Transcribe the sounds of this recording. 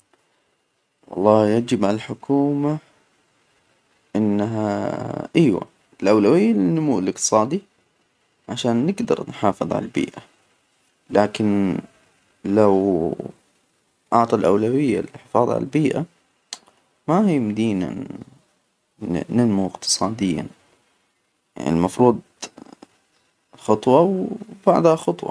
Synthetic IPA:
wɑ̰lˤːɑːjad͡ʒɪbʕalalħʊkʰuːma | ʔɪnːɦaʔajwa̰ | ɪlʔawlawɪjːalɪnːʊmuːlɪqt̪ɨ̥sˤɑːd̪i | ʕaʃaːnːɪɡd̪ɑ̰ɾˤnħɑːfɨðˤʕa̰lalbḭːʔa | laːkɪn | law | ʔɑʕt̪ˤɑlʔawlawɪjːa̰lɪħɪfɑːðˤʕa̰la̰lbiːʔa | mahiːmʊd̪iːna̰ | nɪnmuɪqt̪ʰɨ̥sˤɑːd̪ɪjːa̰ | ja̰ʕnḭmɑfɾuːd̪̚ˤ | xɑt̪ˤwɑwb̥aʕd̪haxɑt̪ˤwɑ̰

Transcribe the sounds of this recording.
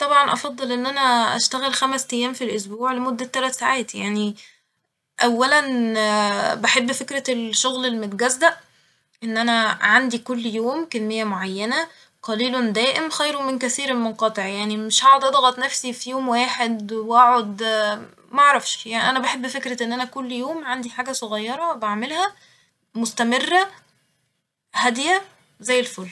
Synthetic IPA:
t̪ˤɑbʕɑnʔɑfɑd̪ˤːelʔenːʔænæʔæ̰ʃt̪æɣelxæmæst̪æjːæːmfilʔos̬buːʕlemod̪ːæt̪ːælæt̪saʕaːt̪jaʕni | ʔæwːælæn | baħebːfekɾælʃːoɣlelːmet̪ɡæzːæʔ | ʔenːʔænæʕand̪ikolːjoːmkenmejːæmoʕajːænæ | qɑliːlond̪æːʔemxæjɾowmenkæθiːɾelmonqɑt̪ˤeʕjaʕnimeʃhæʕod̪ʔæd̪ɑɣɑt̪ˤnæfsifijoːmwaːħed̪wʔæʕod̪ | mæʔɑʕɾˤɑfʃjaʕniʔænæbaħebːfekɾæʔenːʔænækolːjoːmʕand̪iħaːɡæsˤoɣɑjːɑɾˤɑwbaʕmelhæ | most̪æmerːæ | hæd̪jæ | zæjːelfolː

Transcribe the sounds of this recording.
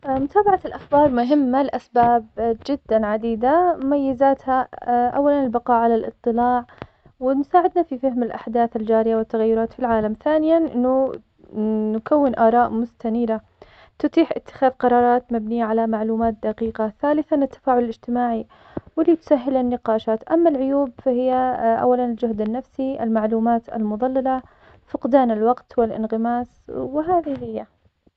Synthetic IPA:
mʊt̪aːbaʕalʔaxbɑːɾˤmʊɦɪmːalʔasbaːbd͡ʒɪd̪ːanʕad̪iːd̪aʊmajːɪzaːt̪haʔa̰wːalanɪlbɪqɑːʕalalʔɨt̪ˤːɨlaːʕ | wɪnʊsaːʕɪd̪nafifahmɪlʔa̰ħd̪aːθald͡ʒaːɾɪjawɪt̪ːaɣajːʊɾˤɑːt̪filʕaːlamθaːnɪjanʔɪnːʊ | nkawːɪnʔɑːɾˤɑːʔmʊst̪aniːɾa | t̪ʊt̪ˤiːħʔɪt̪ːɪ̥xaːðqɑɾˤɑːɾˤɑːt̪mabnijːaʕalamaʕluːmaːt̪̚d̪aqiːqaθaːlɪθanɪt̪ːḁfaːʕʊlalɪd͡ʒt̪ɪmaːʕi | wɪlːit̪ʊ̥saɦːɪlanːɪqɑːʃaːt̪ʔamːalʕʊjuːbfahɪjːaʔa̰wːalanɪld͡ʒʊhd̪anːafsiʔa̰lmaʕluːmaːt̪a̰lmʊðˤɑlːɑla | fʊqd̪aːnalwɑqt̪wɪlʔɪ̰nɣɪmaːswɪɦaːðihɪjːa

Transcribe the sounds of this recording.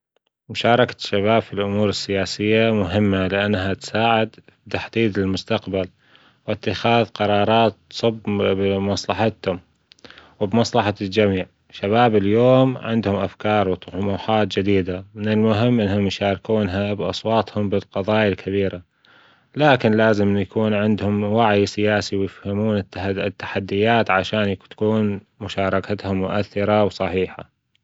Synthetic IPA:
mʊʃɑːɾˤɑkḁʃːaβaːbfilʔʊmuːɾɪsːɪjaːsɪjːamʊɦɪmːalɪʔanːɦat̪saːʕɪd̪ | b̚t̪aħd̪iːd̪ɪlmʊst̪aqbal | wɪt̪ːɪxaːðqɑɾˤɑːɾˤɑːt̪sˤɨbbmɑsˤlɑħɑt̪hʊm | wbmɑsˤlɑħald͡ʒamiːʕ | ʃaβaːbɪljoːmʕɪ̰nd̪hʊmʔa̰fkɑːɾˤwt̪ˤʊħʊmuːħaːt̪̚d͡ʒɪd̪iːd̪amɪnɪlmʊɦɪmːʔɪnhʊmjʃaːɾkuːnɦabʔɑ̰sˤwɑːt̪ˤhʊmbɪlqɑðˤɑːjalkʰabiːɾa | laːkɪnlaːzɪmnjakuːnʕɪnd̪hʊmwaʕjsɪjaːsiwjɪfhamuːnɪt̪ɪt̪ːḁħad̪ːɪjaːt̪ʕaʃaːnjt̪ḁkuːn | mʊʃaːɾˤɑkat̪hʊmːʊʔaθːɪɾawsˤɑħiːħa̰

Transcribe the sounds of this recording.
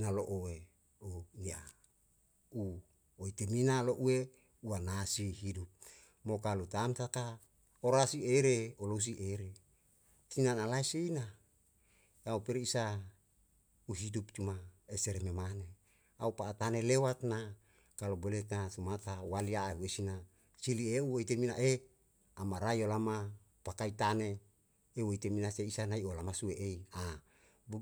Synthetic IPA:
naloʔowe | unia̰ | u | oit̪eminaloʔue | uanasihidup̚ | mokalut̪amt̪aka | oɾasieɾeolos̬iʔeɾe | sinanalaiseina | aupeɾisa | uɦidup̚t͡ʃumaeseɾememane | aupaːt̪anelewat̪̚na | kalobolet̪nasumat̪awaliaeuesina | silieuwoit̪eminaʔe | amaɾaiolama | pakait̪ane | ewoit̪eminaseisanaiolamasueʔeia | bu

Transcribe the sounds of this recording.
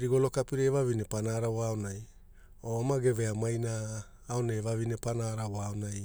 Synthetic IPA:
ɾiɡolo̞kapiɾeeβaβinepanaɾaoaonaj | oamaɡe̞veamajnaː | oneːβaβine̞panaɾawoaonaj

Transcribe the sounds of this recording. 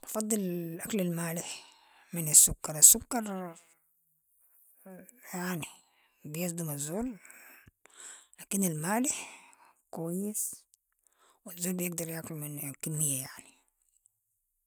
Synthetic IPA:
ɑfɑd̪ˤːɨllʔaklalmaːlɪħ | mɪnasːʊkːɑɾˤasːʊkːɑɾˤ | jaʕni | bijɪsˤd̪umazːoːl | laːkinalmaːlɪħkwajːɪs | wɪzːoːlbijɪɡd̪ɑɾˤjaʕkʊlmɪnkɪmːɪjːajaʕni

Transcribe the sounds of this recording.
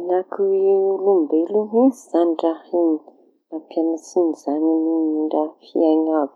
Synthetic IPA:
nakulumbeluɦinzizaniʈ͡ʂahini | napianasinizaɲinimiɳɖ͡ʐafiaɲavi̥

